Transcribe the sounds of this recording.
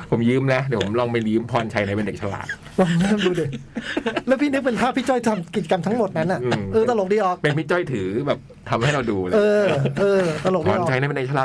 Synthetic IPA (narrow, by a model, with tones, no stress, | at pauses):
pʰo˩˦mjɯː˦˥mnɛ˦˥dɛː˨˩˦pʰo˩˦mlɔː˧ŋma˧˥˩jjɯː˦˥mpʰɔː˧˩nt͡ɕʰa˦˥jna˧˥jpe˧nde˨˩k̚t͡ɕʰa˧la̰ː˨˩t̪̚ | wa˧˩ŋna˥˩˨mduː˧de˨˩ | lɛː˦˥pʰiː˥˩nɯ˦˥k̚pe˧nkʰaː˥˩pʰiː˦˥˩t͡ɕɔ˥˩jt̪ʰa˧mki˨˩t͡ɕa˧ka˧mt̪ʰa˦˥ŋmo˨˩t̪̚na˦˥nʔa˨˩ʔɯ˧˩mʔɤː˧t̪ɾa˧lo˨˩k̚diː˧˩ʔɔː˨˩k̚pe˧npʰi˦˥t͡ɕɔ˥˩jt̪ʰɯː˩˦bɛː˨˩p̚ | t̪ʰa˧mha˥˩jɾa˧wduː˧lʔɤː˧ʔɤː˧t̪ɾa˧lo˨˩k̚pdɔː˧˨˩a˦jna˧˦˥pe˧de˨˩kt͡ɕʰa˧laː˨˩